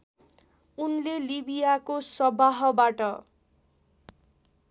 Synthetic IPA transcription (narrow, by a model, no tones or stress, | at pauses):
unlelibijakosʌbaɦʌbaʈʌ